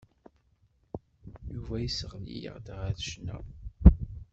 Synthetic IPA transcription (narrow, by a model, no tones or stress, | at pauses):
juvæjisəʁlḭjə̰ʁd̪ʁæθʃnæ̰